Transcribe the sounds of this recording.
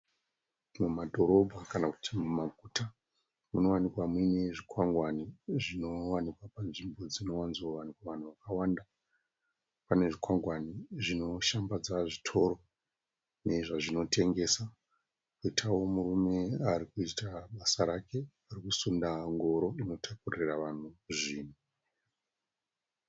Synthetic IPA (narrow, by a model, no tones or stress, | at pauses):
mumadʱo̞ɾo̞bʱakanaku̥tʰimumaɡʱuːta | muno̞wanikwamwine̞ʐikwaŋɡwaniʐino̞wanikwapanʐimbo̞d͡zino̞wanzoʋanikwaʋan̤uʋakawanda | pane̞ʐikwaŋɡwaniʐino̞ʃambad͡zaʐitʰo̞ɾo̞ | ne̞ʐaʐino̞tʰe̞ŋɡe̞sa | kuitʰawo̞murume̞aɾikuitaɓasaɾake̞ | arikusundaŋɡo̞ɾo̞ino̞tʰakuriraʋan̤uʐiːn̤i